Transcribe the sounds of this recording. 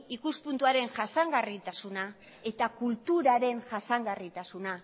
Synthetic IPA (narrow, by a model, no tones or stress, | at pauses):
ikuspunt̪uaɾe̞nʝasaŋɡarit̪asuna | e̞t̪akult̪uɾaɾe̞nʝasaŋɡarit̪asuna